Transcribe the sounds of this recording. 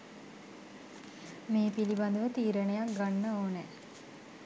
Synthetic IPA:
meːpiliband̪əʋət̪iːɾənejak̚ɡanːəoːnɛ

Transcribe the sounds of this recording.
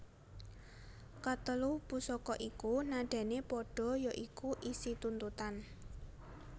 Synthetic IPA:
kət̪əlupusɔkɔʔikunaɖ̥ɛ̤nepɔɖ̥ɔ̤jɔʔikuʔisit̪unt̪ut̪an

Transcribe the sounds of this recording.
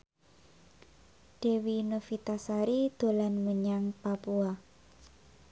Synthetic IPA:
ɖ̥e̤winofit̪asaɾid̪̥o̤lanməɲaŋpapua

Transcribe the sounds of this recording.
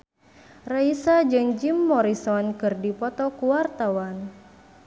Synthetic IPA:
raisad͡ʒɨŋd͡ʒimːɔɾisɔnkɨrdipɔt̪ɔkuwart̪awan

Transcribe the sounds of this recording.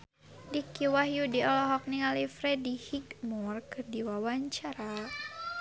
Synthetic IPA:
dikiwahjudiɔlɔɦɔk̚niŋalifɾɛdihiɡmurkɨrdiwawaɲt͡ʃaɾa

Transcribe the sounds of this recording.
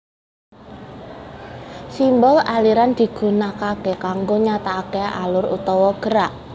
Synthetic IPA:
simbɔlaliɾand̪̥i̤ɡ̥ṳnakakekaŋɡoɲat̪aːkea̰lʊrṵt̪ɔwɔɡ̥əɾaʔ

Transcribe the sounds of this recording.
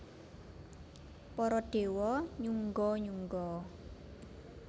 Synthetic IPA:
pɔɾɔɖ̥e̤wɔɲuŋɡɔɲuŋɡɔ

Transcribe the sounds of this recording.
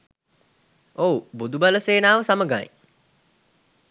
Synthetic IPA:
oːbud̪ubɐləseːnaːʋəsaməɡaj̰

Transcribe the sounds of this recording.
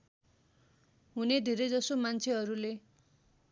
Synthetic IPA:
ɦuned̪ʱeɾed͡zʌsomant͡sʰeɦʌɾule

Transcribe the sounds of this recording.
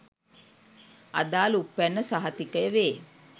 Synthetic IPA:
ʔɐ̰d̪aːlupːænːəsaɦɐt̪ikəjəʋeː

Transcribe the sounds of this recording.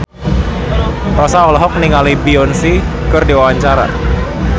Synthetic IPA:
rɔsaɔlɔɦɔk̚niŋalibiɔnsi | kɨrdiwawaɲt͡ʃaɾa̰

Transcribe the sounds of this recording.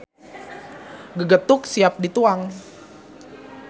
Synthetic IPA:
ɡəɡət̪ʊksiap̚dit̪uaŋ

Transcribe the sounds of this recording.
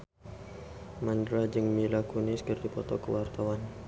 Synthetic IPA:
mandɾad͡ʒɨŋmilakunɪskərdipɔt̪ɔkəwart̪awan

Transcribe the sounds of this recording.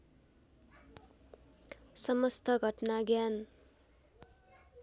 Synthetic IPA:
sʌmʌst̪ʰʌɡʱʌʈnaɡjan

